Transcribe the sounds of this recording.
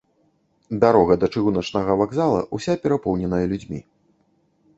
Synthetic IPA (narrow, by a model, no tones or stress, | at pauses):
d̪aɾɔɣɐd̪ɐt͡ʂɨɣunɐt͡ʂnɐɣɐvaɡzalˠɐ̰ʔusʲapʲɛɾapɔwnʲɛnɐjɐlʲud͡zʲmʲḭ